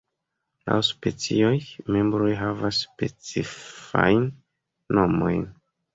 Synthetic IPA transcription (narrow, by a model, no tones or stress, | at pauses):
la̰wspe̞t͡sio̞jme̞mbɾo̞jɦavasːpe̞t͡sifa̰jnː | o̞mo̞̰jn